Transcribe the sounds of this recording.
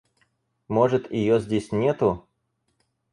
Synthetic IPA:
moʐɨt̪ɪ̰jozʲdʲesʲnʲet̪ʊ

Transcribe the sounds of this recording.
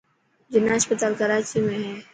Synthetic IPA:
d͡ʑɪnaɦəspət̪aːlkəɾaːt͡ʃiɦʊeɦɛ̃ː

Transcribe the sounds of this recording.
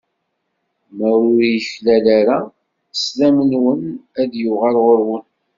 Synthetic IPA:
məɾʊɾijəçlælaɾa | slæmənwənæðjʊʁælʁoɾwən

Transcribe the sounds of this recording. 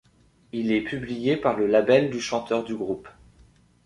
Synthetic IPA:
ilɛpʰyblijepaʁləlabɛld̪yʃɑ̃t̪œʁd̪yɡʁup

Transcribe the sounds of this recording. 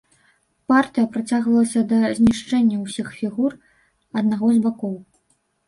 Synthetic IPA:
part̪ɨjɐpɾat͡sʲaɣvɐlˠɐsʲɐd̪ɐzʲnʲiʂt͡ʂɛnʲːɐwsʲixfʲiɣur | ɐd̪naɣɔzbakɔw

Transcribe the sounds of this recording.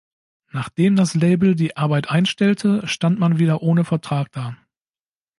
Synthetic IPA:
naːχd̥eːmdasleɪbl̩diːʔaɐbaɪtʔaɪnʃtɛltʰəʃtantmanviːdɐʔoːnəfɛɐtʁ̥aːk̚d̥aː

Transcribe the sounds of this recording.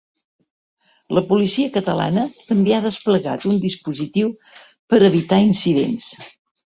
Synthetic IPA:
ləpulisiəkət̪əla̰nət̪əmbeaðəspləɣa̰t̪und̪ispuzit̪iw | pəɾəβit̪ainsiðḛns

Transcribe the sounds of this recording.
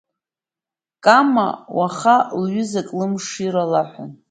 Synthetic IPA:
kʼama̰waχalɥʏzakʼlɨmʂiɾalaħʷa̰n

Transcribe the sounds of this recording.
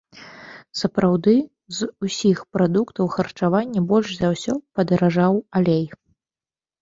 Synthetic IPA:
sɐpɾʔawd̪ɨ | zusʲixpɾad̪ukt̪ɐwxɐrt͡ʂavanʲːɐbɔlʲʂzawsʲɔpɐd̪ɐɾaʐawalʲej

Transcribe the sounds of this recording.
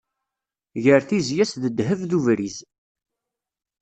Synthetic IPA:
ʝəɾθizjæsðəd̪ɦəvðuvɾiz

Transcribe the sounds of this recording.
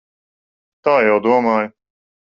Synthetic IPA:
t̪aːjawd̪uɔmaːj

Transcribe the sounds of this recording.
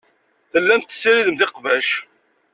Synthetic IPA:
θəlːæmt̪ːsːiɾiðəmðɪqvæʃ

